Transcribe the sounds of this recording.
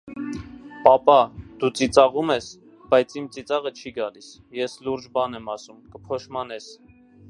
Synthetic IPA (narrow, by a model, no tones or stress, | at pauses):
pɑpɑd̪̥ut͡sit͡sɑʁumɛs | b̥ɑjt͡sʰimt͡sit͡sɑʁət͡ʃʰiɡɑlis | jɛsluɾd͡ʒbɑnɛmɑsumkəpʰɔʃmɑnɛs